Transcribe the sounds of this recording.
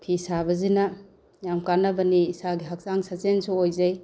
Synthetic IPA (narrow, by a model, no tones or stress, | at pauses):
pʰisabɐzina | jamkanɐbɐniːsaɡiɦak̚saŋsazensuojzaj